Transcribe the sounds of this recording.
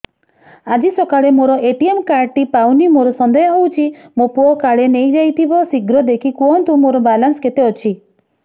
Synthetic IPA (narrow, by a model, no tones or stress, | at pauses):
ad͡ʒisɔkaɭemoɾɔʔeʈiemkaɾʈipawnimoɾɔsɔnd̪ɔjɔɦowt͡ʃʰimopuɔkaɽenejd͡ʒajt̪ʰibɔsiɡɾɔd̪ekʰikuɔnt̪ũmoɾɔbalansket̪eɔt͡ʃʰi